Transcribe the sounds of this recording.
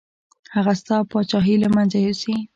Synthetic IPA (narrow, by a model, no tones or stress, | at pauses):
haɣast̪ɑpɑt͡ʃɑɦiləmanzajusi